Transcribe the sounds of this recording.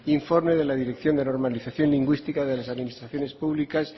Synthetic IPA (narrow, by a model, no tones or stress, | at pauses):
iɱfo̞ɾme̞ð̞e̞laðiɾekθjo̞nd̪eno̞ɾmaliθaθjo̞nliŋɡwist̪ikaðe̞lasaðminist̪ɾaθjo̞ne̞spuβlikas